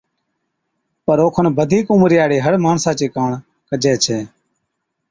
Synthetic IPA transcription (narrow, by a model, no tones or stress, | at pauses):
pəɾoːkʰəɳbəd̪ʱiːkʊmɾɪjaːɽeːɦəɽmaːɳsãːt͡ʃiːkaːɳ | kəd͡ʒeːt͡ʃʰɛː